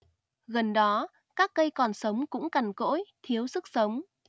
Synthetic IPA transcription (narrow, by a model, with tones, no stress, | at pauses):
ɣə˨˩nɗɔ˨˦ | kaː˦˥k̚ːə˧jkɔ˨˩nsə˨˦wŋ͡mkʊ̰˧˥ŋ͡mka˨˩ŋko̰˧˥jt̪ʰi˨˦əwsɨ˦˥k̚sə˨˦wŋ͡m